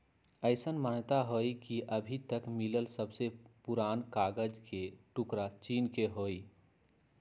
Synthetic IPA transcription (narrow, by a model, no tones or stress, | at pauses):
əɪsənmant̪aɦoikiʔəbʱit̪əkmiləlsəbsepuɾankaɡəd͡ʒkeʈukɾat͡ʃiːnkeɦoːi